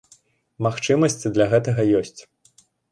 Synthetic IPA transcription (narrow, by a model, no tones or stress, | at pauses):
maxt͡ʂɨmɐsʲt͡sʲd̪lʲaɣɛt̪ɐɣɐjɔsʲt͡sʲ